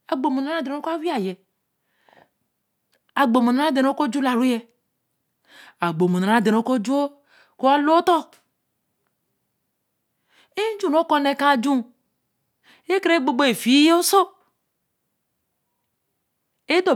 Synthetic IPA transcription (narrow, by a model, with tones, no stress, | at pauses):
a˨ɡ͡bo˨mo˨na˨ɾa˦de˨o˦ka˦wi˦a˨je˨ | a˨ɡ͡bo˨mo˨na˨ɾa˦de˨n˦o˦ko˦d͡ʒu˦la˨ɾu˦jɛ˦ | a˨ɡ͡bo˨mo˨na˨a˨˦˨de˨no˨˦ko˦d͡ʒu˦o˦ | ko˦a˦lo˦t̪ɔ˦ | e˦d͡ʒu˦no˦ko˦ne˨kã˦˨d͡ʒũ˦ | e˦kɾe˦ɡ͡bo˨ɡ͡bo˦e˨fi˨˦jo˦so˦ | e˦do˨